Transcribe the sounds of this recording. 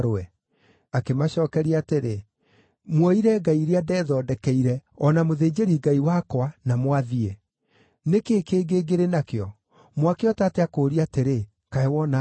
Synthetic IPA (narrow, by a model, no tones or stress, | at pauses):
ɾɛ | akemaɕɔːkɛɾiateɾe | mwɔiɾɛɡaiɾeadɛðɔdɛkɛiɾɛɔnamoðeːd͡ʑeɾiɡaiwakwanamwaðie | nekeːkeːɡeːɡeɾenakeɔ | mwakeɔtateakoːɾiateɾe | kaɛwɔna